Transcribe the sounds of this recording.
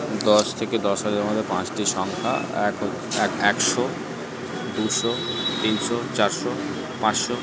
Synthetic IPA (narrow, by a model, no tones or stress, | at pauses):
d̪ɔʃt̪ʰeked̪ɔʃaɾeɾamad̪eɾpãt͡ɕʈiʃɔŋkʰa̰ɛk | ɛkɛkʃo | d̪uʃot̪inʃot͡ɕaɾʃo | pãt͡ɕʃo